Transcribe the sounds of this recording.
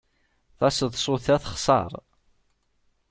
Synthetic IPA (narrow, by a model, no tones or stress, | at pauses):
θɑsəðˤsˤʊθæθə̥χsˤɑ̰ɾˤ